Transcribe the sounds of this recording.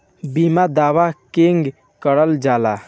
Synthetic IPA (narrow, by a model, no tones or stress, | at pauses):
bimad̪aʋakeŋɡ | kəɽəld͡ʒala